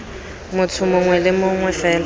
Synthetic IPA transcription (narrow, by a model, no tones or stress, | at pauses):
mʊt͡sʰʊmʊŋwɛlɪmʊŋwɛfɛːl